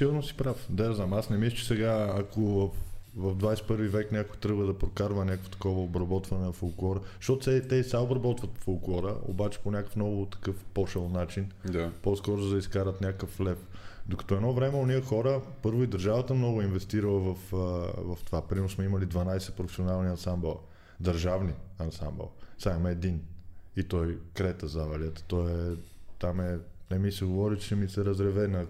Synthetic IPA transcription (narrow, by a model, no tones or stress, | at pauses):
siɡʊɾnosi̥pɾafd̪ɛznamasnɛmist͡ʃi̥sɛɡaːkovɐfvɐvd̪vajsɛ̥pɤɾvivɛknʲakʊjt̪ɾɤbvəd̪ɐpɾokaɾvənʲakəkvo̥t̪ɐ̥kɔvəobɾɐbɔt̪vɐnɛnɐfolˠklˠɔɾəʃt̪ɔt̪sɛt̪ɛsaobɾɐbɔt̪vɐt̪folˠklˠɔɾə̰o̰bat͡ʃɛ̥ponʲakəfnɔɡʊt̪ɐ̥kɤfpɔʃɛlˠnat͡ʃind̪aposkɔɾʊzd̪ɐiskaɾət̪nʲakəflɛfd̪okɐ̥t̪ɔɛd̪nɔvɾɛmɛoniəxɔɾəpɤɾvʊid̪əɾʒavət̪əmnɔɡʊinvɛst̪iɾəlˠəvɐfvɐft̪ovapɾiɛɾʊsmɛiməlid̪vɐnajsɛpɾofɛ̥sionalˠniɐnsambɛlˠ | d̪ɐɾʒavniɐnsa̰mbɛ̰lˠsaɛmɛd̪init̪ɔjkɾɛt̪əzavɛliət̪ə̥t̪ɔjɛɛt̪amɛnɛmisɛɡovɔɾit͡ʃɛmisɛɾɐzɾɛvɛnə